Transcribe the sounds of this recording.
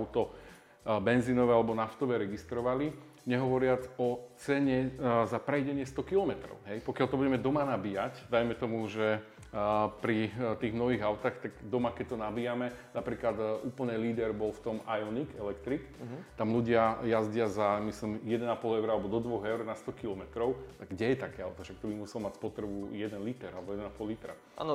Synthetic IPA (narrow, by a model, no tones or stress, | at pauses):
ʊt̪ɔ | bɛnzinɔʋɛalɛbɔnaft̪ɔʋɛːɾɛɡist̪ɾɔʋali | ɲɛɦɔʋɔɾɪat͡sɔt͡sɛɲɛzapɾɛjɟɛɲɪɛst̪ɔkilɔmɛt̪ɾɔ̰ʊɦɛjpɔkjalt̪ɔbuɟɛmɛd̪ɔmanabijacd̪ajmɛt̪ɔmuʒɛ | pɾit̪iːɣmnɔʋiːɣaʊt̪aːxt̪aɡd̪ɔmakɛc̚t̪ɔnabijamɛnapɾiːklad̪ʔuːpl̩nɛliːd̪ɛɾbɔlft̪ɔmajɔnikɛlɛkt̪ɾikt̪amluɟɪajazɟɪazamislimjɛd̪ɛnapɔlɛʊɾalɛbɔd̪ɔd̪ʋɔɣɛʊɾnast̪ɔkilɔmɛt̪ɾɔʊɡɟɛjɛt̪akɛːaʊt̪aʃak̚t̪ɔbimusɛlɔmacspɔt̪ɾɛbujɛd̪ɛnlit̪ɛɾalɛbɔjɛd̪ɛnapɔllit̪ɾa̰ | an